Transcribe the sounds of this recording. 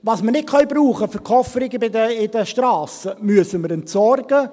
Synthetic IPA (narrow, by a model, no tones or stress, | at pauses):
ʋɑːsmənɪt̚kʰœɥbɾuːχəfəɾkʰɔfəɾɪɡəbɪdəɪd̥̪əʃtɾɑːsəmyəsəməɾɛntsɔrɡə